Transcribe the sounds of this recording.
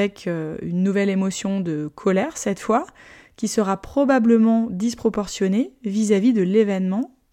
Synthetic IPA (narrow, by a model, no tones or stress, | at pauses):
ɛkʰøynːuvɛlemɔsjɔ̃d̪əkʰɔlɛʁsɛt̪fwa | kʲisəʁapχɔbabləmɑ̃d̪ispχɔpɔʁsjɔnevizavid̪əlevɛnmɑ̃